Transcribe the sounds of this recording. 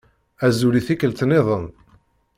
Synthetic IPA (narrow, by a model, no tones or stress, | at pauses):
æzuɾiθikəlt̪neðˤən